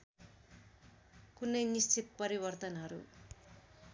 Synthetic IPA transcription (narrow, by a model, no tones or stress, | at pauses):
kunːʌjnist͡ʃʰit̪pʌɾiβʌrt̪ʌnɦʌɾṵ